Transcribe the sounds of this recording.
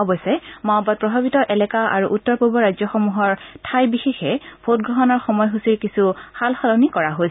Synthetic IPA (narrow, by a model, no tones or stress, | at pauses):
ɔbɔsɛmabɔt̚pɹɔbʱabitɔʔɛlɛkaʔa̰ɹuʔutːɔɹpubɔɹajzjɔxɔmuɦɔɹtʰajbixexɛbʰot̚ɡɹɔɦɔnɔɹxɔmɔjɦusiɹkisuxalxɔlɔnikɔɹaɦojs